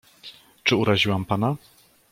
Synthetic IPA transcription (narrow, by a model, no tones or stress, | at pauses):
t͡ʂɘuɾaʑiwampana